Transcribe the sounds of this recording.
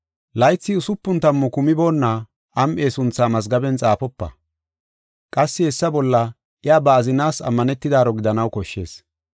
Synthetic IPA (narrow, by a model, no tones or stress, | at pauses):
lɐjt͡sːɪʊsʊpːʊnt̪ɐmːɔkʊmɪbo̞ːnːa | ʔɐmʔe̞ːsʊnt͡sːaːmɐzɡɐbɛnt͡sʼaːfɔpːɐ̰ | kʼɐsːɪhɛsːɐbɔlːɐ | ʔɪjaːbɐːzɪnaːsɐ̰mːɐnɛt̪ːɪd̪aːɾɔɡɪd̪ɐnɐwkɔʃːe̞ːs